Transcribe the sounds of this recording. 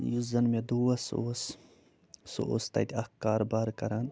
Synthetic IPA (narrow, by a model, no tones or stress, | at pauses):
juzɐnmed̪uːʋɐso̰s | so̰ʔo̰ːst̪ɐ̰d̪ʲiɐkaːɾbaːɾkɐɾan